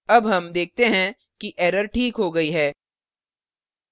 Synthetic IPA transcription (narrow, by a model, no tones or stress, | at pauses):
ɐbɦɐmd̪eːk̚ʰt̪eɦɛ̃ | kiʔɛːɾəɾʈʰiːkɦoɡɐiɦɛː